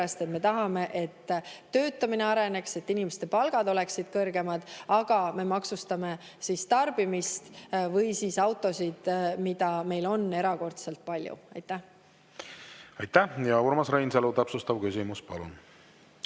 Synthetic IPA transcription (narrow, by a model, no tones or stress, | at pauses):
est̪e̞t̪me̞t̪ɑɦɑme̞ʔet̪ːø̞ːt̪ːˑɑmine̞ɑɾe̞ne̞kse̞t̪ːinimest̪e̞pɑlɡ̥ɑd̪o̞le̞ksid̪̥̚kɤrɡ̥e̞mɑd̪̥ɑɡ̥ɑme̞mɑksust̪ɑme̞ | sist̪ɑrb̥imist̪vɤjsiːsɑwt̪ːˑo̞sid̪̥mid̪̥ɑme̞jlo̞nːe̞ɾɑko̞rt̪selt̪̚pɑlʲjṵɑjt̪ːˑæh | ɑjt̪ːæhjɑuɾmɑsɾejnselut̪æpsust̪ɑb̥̚kysimuspɑ̰lṵn